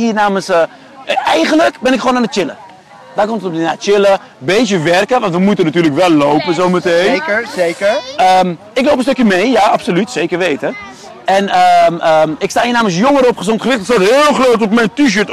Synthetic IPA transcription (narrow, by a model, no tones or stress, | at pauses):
iːrnaːməsə | ɛjχənləkbɪnɪkχʋoːnaːnət̚t͡ʃɪlə̰ | d̥aːkɔmtətnat͡ʃɪlə | beːzjəʋɛrkəʋɑ̃ntʋəmutənatyːrləkʋɛlːowpəzowmətejnkəəm | ɪklowpən̩støkjəmejjaɑpsolytseːkərʋejtə | ɛnəəɪkstaːhiənaːməns̬joŋəɾəɔpχəzɔntχəʋɪχtətsɔtɪlˠxloːtɔpmɛjntiʃøːt